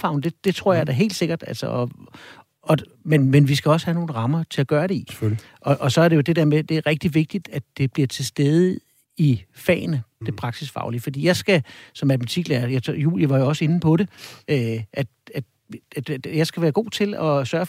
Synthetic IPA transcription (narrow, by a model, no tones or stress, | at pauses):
fɑ̈ʊn̩d̥e̝d̥e̝t͡sʰʁo̝ɐ̰jɑɪd̥æɦe̝̰ːldse̝ɡ̥ɐd̥ælsɐʔɒ | ɒ̽ | menmenʋisɡ̥æɒ̽shæno̝ːn̩ʁɑ̈mɐt͡sʰe̝æɡ̥ɶːɐɾe̝i | ʔɒ̽ʔɒ̽sɒ̽æɐɾejo̝d̥e̝d̥ḛɐ̰med̥e̝æʁɛɡ̥̚d̥iʋe̝ɡ̥̚d̥id̥æd̥e̝b̥liɐt͡sʰe̝lsd̥eð̞ˠə | ifɛ̰ːnəd̥e̝pʰʁɑ̈ɡ̥sisfɑ̈ʊlifɒdḭːjɑ̈ɪsɡ̥æsɒ̽mælm̩t͡sʰiɡ̥læɐjajṵːljəʋɑ̈jo̝ɒ̽səe̝nn̩pʰɒ̽ɾe̝ʔøʔæd̥æ̥ | jɑ̈ɪsɡ̥æʋæːɐɡ̥o̝̰ːt͡sʰe̝lɒ̽sɶːɐ